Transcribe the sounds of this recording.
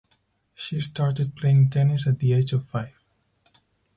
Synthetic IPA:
ʃistʰɑɹʈɪd̚pʰl̥eɪ̃ŋtʰɛnɪsæt̪̚d̪ieɪd͡ʒɔv̥faɪv

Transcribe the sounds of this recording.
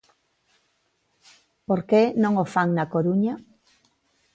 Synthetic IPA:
poɾkenõŋofaŋnakoɾuɲa

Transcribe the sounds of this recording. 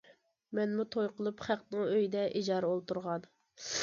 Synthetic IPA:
mɛnmut̪ʰojqʰəlˠupχæqnɨŋøjd̪ɛʔid͡ʒɑːɾɛolˠt̪uɾʁɑn

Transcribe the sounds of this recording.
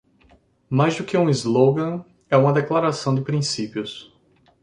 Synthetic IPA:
majzd̪ʊkɪũizloɡɐ̃ | ɛũmɐd̪eklaɾasɐ̃w̃d̪ɪpɾĩsipiʊs

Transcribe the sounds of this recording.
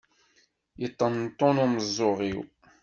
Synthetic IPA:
jət̪ˤːənt̪ˤːonʊməzˤːoʁiw

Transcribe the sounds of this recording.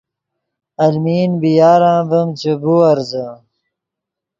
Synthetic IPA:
ɐlmiːnbijaːɾãːbɐmt͡ɕebuɐɾzə

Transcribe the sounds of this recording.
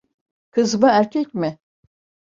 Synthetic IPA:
kʰɯzbɯæɾcʰɛcmɪ

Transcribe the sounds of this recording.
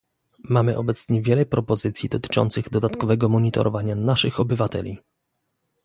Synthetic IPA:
mamɘʔɔbɛt̪sɲɛvʲjɛlɛpɾɔpɔzɘt̪sʲjid̪ɔt̪ɘ̥t͡ʂɔ̰nt̪sɘɣd̪ɔd̪at̪kɔvɛɡɔmɔɲit̪ɔ̰ɾʔɔvaɲanaʂɘxɔbɘvat̪ɛ̰lʲi

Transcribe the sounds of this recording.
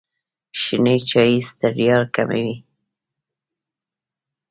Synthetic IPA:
ʃinejt͡ʃɑjist̪aɖjɑɾka̰mḛwi

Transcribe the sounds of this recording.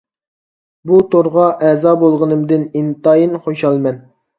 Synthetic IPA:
but̪oɾʁɑʔɛzɑbolˠʁənɨmd̪ɨnint̪ɑjinχoʃɑlˠmɛn

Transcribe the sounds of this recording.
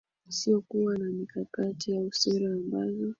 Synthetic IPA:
siɔkuwanamikakatijausɛɾaːmbazɔ

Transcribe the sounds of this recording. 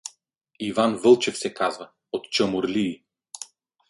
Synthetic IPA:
ivanvəlˠt͡ʃɛfsɛkazva | ot̪t͡ʃəmuɾliː

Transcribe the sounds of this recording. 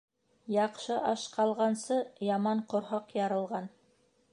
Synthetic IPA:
jɑqʃɤʔɑʃqʰɑlˠʁɑnsɤjɑmɑɴqŏɾɦɑqjɑɾɤ̆lˠʁɑn

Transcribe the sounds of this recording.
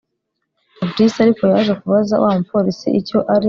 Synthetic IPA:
obdisiaɾiko̞jaːʒekuβaza̰wʔa̰ːmupoɾisḭʔico̞ʔaɾi

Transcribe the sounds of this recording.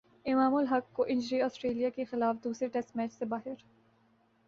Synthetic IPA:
ɪmaːmʊlɦɐkːoʔɪ̃ɲd͡ʒɾiɔːsʈɾeːlijakexɪlaːfd̪uːsɾeʈɛsʈmɛːt͡ʃsebaːɦɪɾ

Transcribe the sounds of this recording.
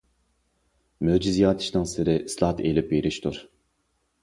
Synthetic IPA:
mød͡ʒizijɑːt̪ʰi̥ʃnɑŋsɪɾɪslˠɑht̪ʰelʲɪpveɾiʃt̪uɾ

